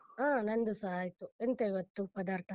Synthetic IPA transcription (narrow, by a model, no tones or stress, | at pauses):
aːnɐnd̪usɐɦaːjt̪uent̪eiʋɐt̪ːupɐd̪aːɾt̪ʰɐ